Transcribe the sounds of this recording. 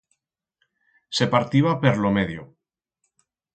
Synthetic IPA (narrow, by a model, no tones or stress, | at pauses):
se̞paɾt̪iβapeɾlomeðjo